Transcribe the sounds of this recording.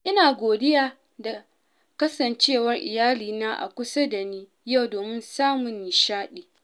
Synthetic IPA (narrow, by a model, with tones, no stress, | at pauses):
ʔɪ˦naː˨ɡʷoː˨dɪ˦jaː˦ | da˨ | kɐ˦sɐ˨nt͡ʃeː˦˨wɐ˦rʔɪ̰˨jaː˦liː˨naː˦ʔa̰˨kʷʊ˦sɐ˦da˨niː˦ | ja˦˨wdoː˨mɪ˦nsaː˦mʊ˨nːɪ˨ʃaː˦ɗiː˨